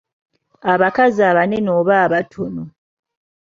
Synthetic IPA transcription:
aβakaziaβane̞noːβaːβatʰono

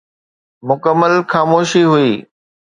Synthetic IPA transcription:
mʊkəmːəlxaːmoːʃiɦʊiː

